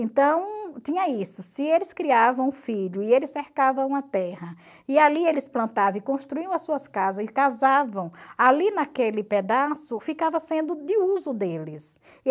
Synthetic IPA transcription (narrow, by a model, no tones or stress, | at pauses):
ẽnt̪ɐ̃w̃t̪ĩɲɐisʊsɪelɪskɾiavɐ̃w̃ũfiʎʊɪelɪsːeɾkavɐ̃w̃ũɐt̪ɛhɐ | ialielɪsplɐ̃nt̪avɐ̃ɪkõʃt̪ɾuiɐ̃w̃ɐssuɐskazɐzɪkazavɐ̃w̃alinakelɪped̪asʊfikavɐsẽnd̪ʊd̪ɪuzʊd̪elɪs